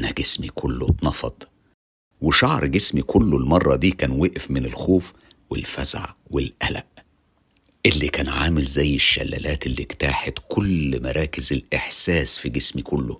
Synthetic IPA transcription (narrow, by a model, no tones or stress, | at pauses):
næɡesmikʰʊlːot̪nɑfɑ̰d̪ˤ | weʃɑʕɾˤɡesmikʰʊlːolmɑrˤːɑd̪iːkæːnweʔfmɪnelxoːfwḛlfæzʕa̰welʔælæ̰ʔ | ʔelːikæːnʕaːmɪlzæjːeʃːæ̰lːæ̰læːt̪elːikt̪aːħet̪kʰʊlmɑɾˤɑːkɪzelʔeħsæːsfiɡesmikʊlːo̰